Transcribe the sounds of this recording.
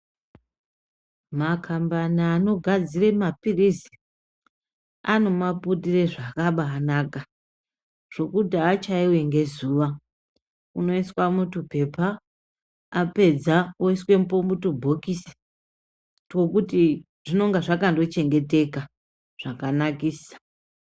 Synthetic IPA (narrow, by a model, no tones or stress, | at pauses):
makʰambaniano̞ɡʱad͡zire̞mapirisi̥ | a̰no̞maputire̞ʐakaɓaːnaka | ʐ̥o̞kudaːt͡ʃaiwe̞ŋɡe̞zuʋa | uno̞iswamutupe̞paː | pe̞d͡zaoiswe̞mpo̞mutubʱo̞kise̥ | wo̞kuti | ʐ̥ino̞ŋɡaʐakando̞t͡ʃe̞ŋɡe̞te̞ka | ʐ̥akanakiːsḁ